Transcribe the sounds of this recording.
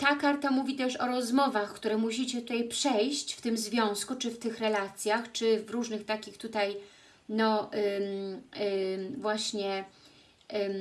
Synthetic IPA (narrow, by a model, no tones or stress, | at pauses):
t̪akaɾt̪amuvʲit̪ɛʂɔɾɔzmɔvaxkt̪uɾɛmuɕ̬it͡ɕɛt̪ut̪ajpʂɛjɕt͡ɕft̪ɘmzvʲjɔ̃w̃skut͡ʂɘft̪ɘxɾɛlat̪sʲjaxt͡ʂɘvɾuʐnɘxt̪akʲixt̪ut̪aj | nɔ | vwaɕɲɛ